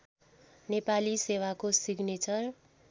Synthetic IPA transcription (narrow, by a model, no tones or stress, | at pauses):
nepalisewakosiɡnet͡sʌr